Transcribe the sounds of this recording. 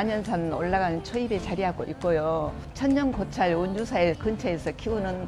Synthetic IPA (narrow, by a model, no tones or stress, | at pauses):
aɲʌnsʰanɯnoɭːaɡanɯnt͡ɕʰoibet͡ɕaɾiɦaɡoʔik͈ojo | t͡ɕʰʌɲːʌŋkot͡ɕʰaɭonːusʰaekɯnt͡ɕʰeesʰʌkʰiunɯn